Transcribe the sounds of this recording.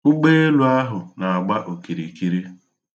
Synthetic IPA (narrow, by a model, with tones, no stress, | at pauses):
ʊ˦ɡ͡be˦e˦lu˨a˦ɦʊ˨na˨a˨ɡ͡ba˦ʔo˨ki˨ɾi˨ki˦ɾi˦